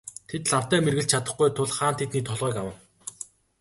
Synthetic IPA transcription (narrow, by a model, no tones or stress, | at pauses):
t̪ʰet̪ɮaw̥t̪æːmerɣɘ̆ɮt͡ɕt͡ɕʰat̪ə̆χɡujt̪ʰʊɮχaːnt̪ʰet̪niːt̪ʰɔɮʁɔːkawə̆w